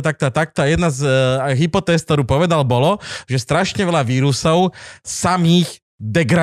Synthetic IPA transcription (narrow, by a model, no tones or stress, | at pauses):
t̪ak̚t̪ɔat̪ak̚t̪ɔajɛd̪nazɦipɔt̪ɛːsk̚t̪ɔɾuːpɔʋɛd̪albɔlɔʒɛst̪ɾaʃɲɛʋɛlaʋiːɾusɔʊsamiːɣ | d̪ɛɡɾa